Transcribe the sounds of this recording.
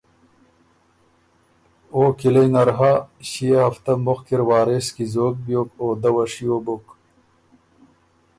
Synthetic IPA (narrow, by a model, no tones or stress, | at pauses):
oːkilɐjnɐɾɦaɕijeɦɐft̪ɐmboxkiɾwaːɾeskizoːk̚bjoːkoːd̪ɐwɐʂijoːbok